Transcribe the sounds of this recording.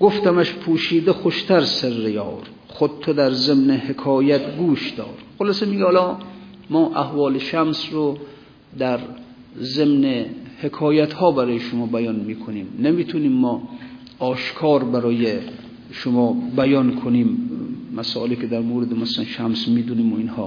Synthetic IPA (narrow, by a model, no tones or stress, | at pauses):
ɡoft̪æmæʃpʰuːʃiːd̪exoʃt̪ʰæɾserːejɒ̰ːɾ | xod̪̚t̪ʰod̪æɾzemnehekʰɒːjæt̪ɡuːʃd̪ɒ̰ːɾxolɑsemiːɡʲehɑlɒː | mɒːʔæhvɒːleʃæmsro | d̪æɾ | zemnehekʰɒːjæt̪hɒːbæɾɔːjeʃomɒːbæjɒnmiːkʰoniːmnemiːt̪ʰuniːmːɒː | ɒːʃkʰɒːɾbæɾɒːje | ʃomɒːbæjɒnkʰoniːmːæsɔ̰ːʔelikʰʲed̪æɾmoːɾed̪emaslænʃæmsmiːd̪uniːmoinhɒ̰ː